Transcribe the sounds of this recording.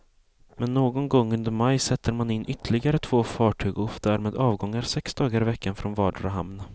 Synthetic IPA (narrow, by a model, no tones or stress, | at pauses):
mɛnːoːɡɔnɡɔŋːɵnd̪əɾmajsɛt̪ʰːəɾmanɪnːʔʏt̪ʰːlɪɡaɾət̪ʰv̥oːfɑːʈʰyːɡʊfd̪æːɾmeːd̪ɑːvɡɔŋːaɾsɛksd̪ɑːɡaɾɪvɛkːanfɾɔnvɑːɖɾaɦa̰mna